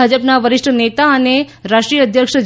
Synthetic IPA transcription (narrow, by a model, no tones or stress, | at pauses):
ad͡ʒəpnaʋəɾɪʃʈʰənet̪aəne | ɾaʃʈɾijəd̪ʱjəkʂə